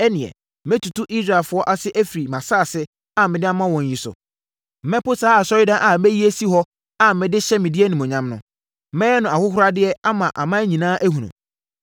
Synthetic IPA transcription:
ɛ˦nɪ̃˨ɛ̰˨˦ | mɪ̃˦tʰu˨tʰu˦ʔi˦sɾa˨lfʊ˨ɔ˦ʔa˦sɪ˦ʔæ˦fi˨ɾi˨mã˨saː˦˨sɪ˦ | a˦mɪ̃˨dɪ˦a˦mã˦wɔ̃˨ɲ˦ji˨sʊ̰˨ | m̩˦mɛ̃˦pʊ˦saː˦a˨sɔ˦ɾɪ˦dã˦ʔa˨mæ˦ji˦æ˦si˦ɦɔ˦ | a˦mɪ̃˨dɪ˦ɕɛ˦mɪ̃˨di˦ɛ˦nĩ˨mʊ̃˨ɲã˦mnʊ̰̃˦ | mɛ̃˦ɛ˦nʊ̃˨a˨hʊ˦hʊ˦ɾa˦dɪ˦ɛ˦a˦mã˨ʔa̰˨mã˦ɲĩ˨nãː˦ʔæ˦ɦũ˨nṵ̃˨

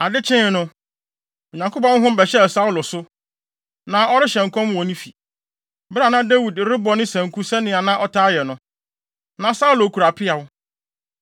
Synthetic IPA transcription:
a˨dɪ˦t͡ɕʰɪ̃˦˨nʊ̃˦ | o˨ɲã˨ŋkʰo˦pɔ̃˦n˦ɦʊ̃˦m̩˦bɛ˨ɕɛ˦˨sa˦ʊ˦lʊ˨sʊ˦ | nã˨ɔ˦ɾɪ˦ɕɛ̃˨ŋ˨kʰɔ̃˦mwɔ̃˨nĩ˦fi˨ | bɪ˦ɾa˨nã˦da˦wi˨dɾɪ˦bɔ˨nɪ̃˦sæ̃˨ŋ˨kʰu˦sɛ˦nɪ̃˨˦a˨nã˦ʔɔ˦tʰaː˦jɛ˨nʊ̃˦ | nã˨sa˦ʊ˦lʊ˨kʰu˨ɾa˨pʰɪ˦a˨wʊ˦

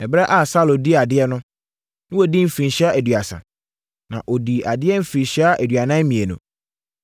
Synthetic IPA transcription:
ɛ˨bɾɛ˦ʔa˦˨sa˦˨lo˨di˦˨a˨dɪ˦ɛ˦nʊ̃˦ | nɪ̃˦wɔ˨di˦m̩˦fĩ˨n˨ɕi˦a˦ʔæ˨dɥa˨sã̰˨ | nã̰˨ʔɔ˨di˨ʔa˨dɪ˦ɛ˦m̩˦fĩ˨n˨ɕi˦a˦ʔæ˨dɥa˨nã˦mĩ˨e˨nʊ̰̃˨

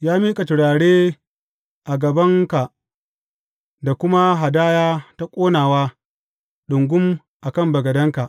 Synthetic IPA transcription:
jaː˦miː˦kʼa˨tɪ˨ɽaː˨ɽeː˦ | ʔa˨ɡɐ˨bɐ˦ŋka˨ʔ | da˨kʷʊ˦ma˦ɦa˨daː˦jaː˦ta˦kʷʼoː˦naː˨waː˦ | ɗʊ˨ŋɡʷʊ˦m | ʔa˨kɐ˦˨mbɐ˨ɡɐ˨dɐ˦ŋka˨ʔ

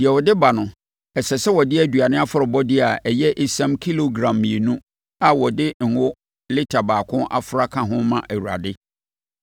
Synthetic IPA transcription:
d̥i˨ɛ˨wɔ˨dɪ˦ba˨nʊ̃˨ | ɛ˨sɛ˨sɛ˦wɔ˨dɪ˦æ˨du˨a˨nɪ̃˦a˦fʊ˦ɾɪ˨bɔ˦dɪ˦a˨ɛ˨jɛ˦ʔe˦sã˦mkʰi˦lo˨ɡɾã˨mːĩ˨e˨nũ˦ | a˨wɔ˨dɪ˦ŋ̩˨wʊ˦ | lɪ˦tʰa˨baː˨kʰʊ̃˦ʔa̰˨fʊ˨ɾa˦kʰã˨ɦʊ̃˦mã˨ʔæ˨wu˨ɾa̰˨dɪ˦

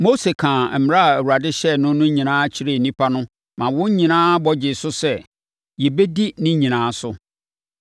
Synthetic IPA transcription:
mo˦se˨kʰã˨m̩˨m˨˦ɾa˦a˨æ˨wu˨ɾa˨dɪ˦ɕɛ˦nʊ̃˦nʊ̃˦ɲĩ˨nãː˦t͡ɕʰɪ˦ɾe˦˨nĩ˦pʰa˦nʊ̃˦ | mã˨wʊ̃˦ɲ˦ɲĩ˨nãː˦bɔ˨d͡ʑɪ˨sʊ˦sɛ˦˨ | jɛ˨be˦di˦nɪ̃˦ɲĩ˨nãː˨˦sʊ˦

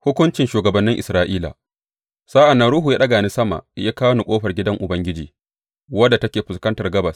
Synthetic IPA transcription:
hʊ˦kʷʊ˦nt͡ʃɪ˨nʃuː˨ɡɐ˨bɐ˦nːɪ˦ŋʔɪ˨sɾaː˦ʔiː˦la̰˨ | sa˦ʔa˨nːɐ˦nɽuː˦ɦu˨jaː˦ɗɐ˦ɡaː˨ni˦sɐ˦ma̰˨jaː˦kaː˦wnu˨kʷʼoː˦ɸɐ˨rɡʲɪ˦dɐ˦ŋʔʊ˨bɐ˦ŋɡʲɪ˦d͡ʒḭː˨ | wɐ˦dːa˨tɐ˦kʲeː˨ɸʊ˨skɐ˦ntɐ˨rɡɐ˦bɐ˨s

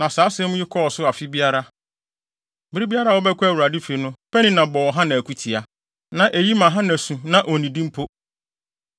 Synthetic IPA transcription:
nã˨saː˨˦sɪ˦ɛ˦m̃˦jɪ˦kʰɔ˦ɔ˨sʊ˦a˨fɪ˦bi˦a˦ɾa˦ | bbɪ˦ɾi˦bi˦a˦ɾa˦˨wɔ˦bɛ˦kʷæ˦˨wu˨ɾa˨dɪ˦fe˨˦nʊ̃˦pʰɛ˦nĩ˦nã˨bɔ˨wɔ˨ɦã˦nã˨kʰu˦tʰi˨a˨ | nã˨ʔe˨ji˦mã˨ɦã˦næ̃˨sũ˨nã˨ʔo˨nĩ˨dĩ˦m̩˦pʰo˦

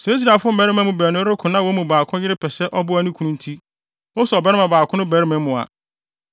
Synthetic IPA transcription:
sɛ˨˦i˦s̬ɾa˨fʊ˦bæ˦ɾɪ˦mɛ̃˦mũ˨bæː˨nʊ̃˦ɾɪ˦kʰʊ̃˨nã˦wo˦mũ˨baː˨kʰʊ̃˦jɪ˦ɾɪ˦pʰɛ˨sɛ˦ʔɔ˦bʊ˦æ˦nũ˦kʰũ˨˦nũ˦n̩˦tʰi˦ | wʊ˦sɛ˨ɔ˨bɛ˦ɾɪ˦mã˨baː˨kʰʊ̃˦nʊ̃˦bæ˨ɾɪ˦mɛ̃˨mʊ̃˨a̰˨

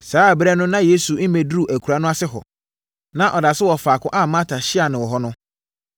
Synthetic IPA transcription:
saː˨˦˨bɾɛ˦nʊ̃˦nã˦je˨˦su˨˦m̩˦mẽ˨dɾu˨ʔæ˨kʰu˨ɾa˦nʊ̃˦a˦sɪ˦ɦɔ̰˨ | nã˦ʔɔ˨da˨sɪ˦wɔ˨faː˨kʰʊ̃˦ʔa˦mã˦tʰa˨ɕɪ˦a˨nɪ̃˨wɔ˨ɦɔ˦nʊ̃˦

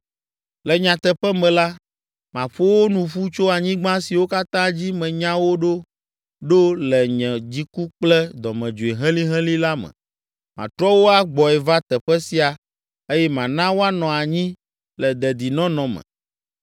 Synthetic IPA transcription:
lɛ˨ɲã˨t̪ɛ˨ɸɛ˦mɛ̃˨la˦ | mã˨ɸo˦wo˦nũ˨ɸu˦t͡ʃo˦a˨ɲĩ˦ɡ͡bã˦si˨wo˦ka˦t̪ã˦d͡ʑi˦mɛ̃˨ɲã˦wo˦ɖo˦ | ɖo˦lɛ˨ɲɛ̃˨d͡ʑi˦ku˦k͡plɛ˦d̪ɔ˨mɛ̃˨d͡ʒo˨e˨ɦɛ̃˦li˦ɦɛ̃˦li˦la˦mɛ̰̃˨ | mã̰˨t̪ɾɔ˦wo˦a˦ɡ͡bɔ˨ɛ˨va˦t̪ɛ˨ɸɛ˦si˦a˨ | e˦jɛ˦mã˨nã˦wo˦a˦nɔ̃˨a˨ɲĩ˦ | lɛ˨d̪ɛ˨d̪i˨nɔ̃˦nɔ̃˨mɛ̰̃˨

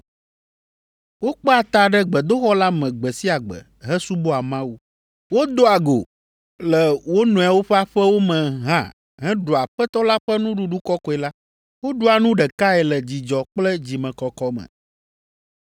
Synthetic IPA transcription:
wo˦k͡pɛ˦a˨t̪a˨ɖɛ˦ɡ͡bɛ˨d̪o˦xɔ˦la˦mɛ̃˨ɡ͡bɛ˨si˦a˨ɡ͡bɛ̰˨ | ɦɛ˦su˦bo˦a˨mã˦wu˦ | wo˦d̪o˦a˨ɡo̰˨ | lɛ˨wo˦nũ˨ɛ˨wo˦ɸɛ˦a˦ɸɛ˦wo˦mɛ̃˨ɦã˦ | ɦɛ̃˦ɖo˨a˨ɸɛ˦t̪ɔ˦la˦ɸɛ˦nũ˦ɖũ˦ɖu˦kɔ˦kɔ˨˦ɛ˨la˦ | wo˦ɖu˦a˨nũ˦ɖɛ˨ka˦ɛ˨lɛ˨d͡ʑi˨d͡ʒɔ˨k͡plɛ˦d͡ʑi˨mɛ̃˨kɔ˨kɔ˦mɛ̰̃˨

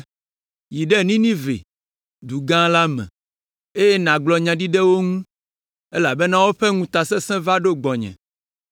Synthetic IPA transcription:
ji˨ɖɛ˦nĩ˦nĩ˦vḛ˨ | d̪u˨ɡã˦la˦mɛ̰̃˨ | e˦jɛ˦nã˨ɡ͡blɔ˨ɲã˨ɖi˦ɖɛ˦wo˦ŋũ˦ | e˦la˨bɛ˦nã˦wo˦ɸɛ˦ŋũ˦t̪a˨sɛ̃˦sɛ̃˦va˦ɖo˦ɡ͡bɔ˨ɲɛ̰̃˨

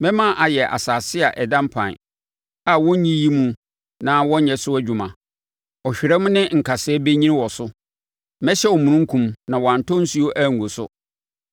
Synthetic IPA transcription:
mɛ̃˦mã˦˨ʔa˨jɛ˨ʔa̰˨saː˨sɪ˦a˨ʔɛ˨dã˦m˦pʰã̰˨ | a˨wɔ̃˦ɲĩ˦ji˦mũ˦ | nã˦wɔ̃˦ɲɛ̃˨sʊ˦æ˦d͡ʑᶣu˨mã̰˨ | ɔ˨ɕᶣɪ˨ɾɛ˦mʊ̃˦nɪ̃˦ŋ̩˨kʰa˨sɛ˦be˦ɲĩ˦n˦wɔ˨sʊ˦ | mɛ̃˦ɕɛ˦ɔ˨mũ˨nũ˦ŋ̩˦kʰũ˨mnã˨wɔ˨ã˨n˨tɔ̃˦n̩˦su˦o˦ʔæ˦˨ŋ˨ɡo˨sʊ̰˦

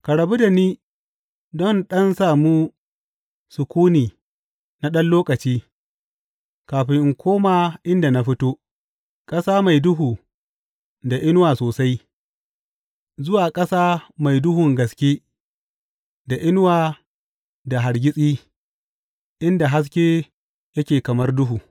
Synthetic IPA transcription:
ka˨ɽɐ˨bu˦da˨niː˦ | dɔ˦nɗɐ˦nsaː˨mu˦ | sʊ˨kʷuː˦niː˨ | na˦ɗɐ˦nloː˦kɐ˨t͡ʃiː˦ | kaː˨ɸɪ˦ŋʔɪ˨ŋkʷʰoː˦maː˨ʔɪ˦nda˨na˦ɸɪ˦toː˦ | kʼɐ˦saː˦ma˨jdʊ˦ɦuː˨ | da˨ʔɪ˦nwaː˨soː˨sa˦j | zʊ˦waː˨kʼɐ˦saː˦ma˨jdʊ˦ɦʊ˨ŋɡɐ˨skʲeː˦ | da˨ʔɪ˦nwaː˨ | da˨ɦa˨ɾɡʲɪ˦sʼiː˦ | ʔɪ˦nda˨ɦa˦s̬kʲe˦ | jɐ˦kʲeː˨kɐ˨mɐ˦rdʊ˦ɦuː˨

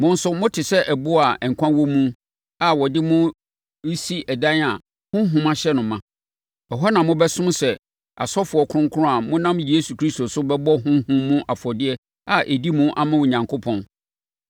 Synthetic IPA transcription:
mʊ̃˦n̩˦sʊ˦mʊ̃˦tʰɪ˨sɛ˦ʔɛ˨bʊ˦a˨ɛ˨ŋ̩˨kʷʰã˦wɔ˦mũ˦ | a˨wɔ˨dɪ˦mʊ̃˦ | si˦ʔɛ˨dã˦na˨ | hʊ̃˦ɦʊ̃˦mã˦ɕɛ˦nʊ̃˨mã˨ | ɔ˨ɦɔ˦nã˨mʊ̃˦bɛ˦sʊ̃˦m˦sɛ˨ | a̰˨sɔ˦fʊ˨ɔ˨kʰʊ̃˦ŋ˦kʰʊ˦ɾʊ̃˦a˨mʊ̃˦nã˦mje˦su˨kʰɾi˦sto˨sʊ˦bɛ˦bɔ˦ɦʊ̃˦hʊ̃˦mːʊ̃˦ʔa˨fɔ˨dɪ˦ɛ˦ | a˨ʔe˨di˦mʊ̃˦ʔa̰˦˨mã˦wʊ˨ɲã˨ŋkʰʊ˦pʰɔ̃˨n

